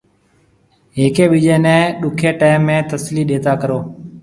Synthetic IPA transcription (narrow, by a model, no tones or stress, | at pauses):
ɦeːkeːɓɪd͡ʒeːnɛ̃ːɗʊkʰeːʈaːɪmːẽːt̪əsliːɗeːt̪aːkəɾoː